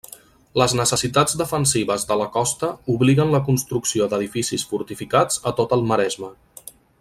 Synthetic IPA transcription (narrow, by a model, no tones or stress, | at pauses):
ləznəsəsit̪ad͡zd̪əfənsiβəzðələkɔst̪əuβliɣənləkunst̪ɾuksiod̪əðifisisfuɾt̪ifikad͡zət̪ot̪əlˠməɾɛzmə